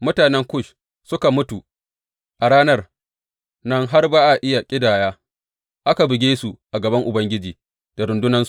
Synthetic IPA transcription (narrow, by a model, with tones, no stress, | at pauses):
mʊ˦taː˨nɛ˦ŋkʷʊ˦˨ʃ | sʊ˦ka˨mʊ˦tu˨ | ʔa˨ɽaː˦nɐ˦r | nɐ˦ŋɦa˦rbaː˦ʔa˨ʔɪ˦ja˨kʲʼɪ˦daː˨jaː˦ | ʔa˦ka˨bɪ˨ɡʲeː˦su˨ʔa˨ɡɐ˨bɐ˦ŋʔʊ˨bɐ˦ŋɡʲɪ˦d͡ʒiː˨ | d̥a˨ɾʊ˨ndʊ˦nɐ˦ns